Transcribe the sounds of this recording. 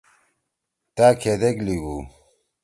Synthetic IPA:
t̪akʰed̪ekliɡu

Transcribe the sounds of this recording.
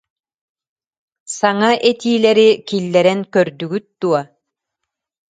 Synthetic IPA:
saŋaʔɛt̪iːlɛɾikilːɛɾɛnkœɾd̪yɡyt̪̚d̪̥uɔ

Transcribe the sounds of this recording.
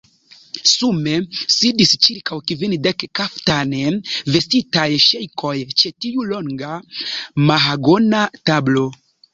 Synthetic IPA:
sume̞sidist͡ʃiɾkawkivindekkaftaneve̞stitajʃejkʰo̞jt͡ʃe̞tiulo̞ŋɡa | maɦaɡo̞natablo̞

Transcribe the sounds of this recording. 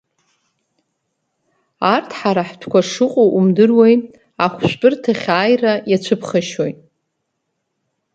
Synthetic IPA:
artʰħaɾaħtʰkʷaʂɨqʷʼowʔumdɨrwejtʼ | aχʷʃʷᶣpʼɨrtʰaχʲaːjrajat͡ɕʷʰɨpʰχaʃojtʼ

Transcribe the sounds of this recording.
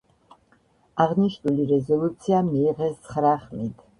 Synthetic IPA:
aʁniʃnuliɾɛzɔlut̪sʰiamiːʁɛst̪sʰχɾaχmid̪̥

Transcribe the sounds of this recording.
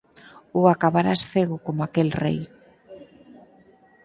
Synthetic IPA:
uakaβaɾasθeɣʊkomakelrḛj

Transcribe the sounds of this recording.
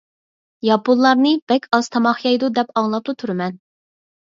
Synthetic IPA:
jɑpulˠːɑɾnɨbɛkʲʰɑz̥t̪ʰɑmɑχjɑjd̪ud̪ɛpɑŋlˠɑp̚lˠut̪ʰyɾmɛn

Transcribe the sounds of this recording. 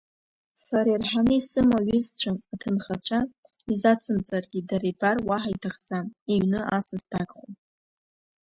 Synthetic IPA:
saɾarħanɨisɨmaɥɪzt͡ɕʷʰaatʰɨnχat͡ɕʷʰa | izat͡sʰɨmt͡sʼarɡʲidaɾabarwaħaitʰaχzamiɥnɨʔasaztʰakʼχu

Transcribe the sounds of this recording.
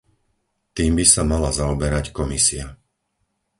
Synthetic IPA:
t̪iːmbisamalazaɔbɛɾackɔmisia

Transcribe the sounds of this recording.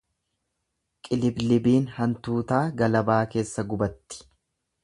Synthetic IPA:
kʼɪlɪblɪbiːnhɐnt̪uːt̪aːɡɐlɐbaːke̞ːsːɐɡʊbɐt̪ːɪ̥

